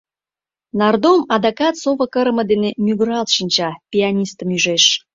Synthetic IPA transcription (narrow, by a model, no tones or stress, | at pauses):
nɑrd̪omɑd̪ɑkɑt̪soβə̆kəɾəmə̆d̪enemʲyɣɾɑlt̪ʃinʲt͡ɕɑpʲianʲist̪əmyʒeʃ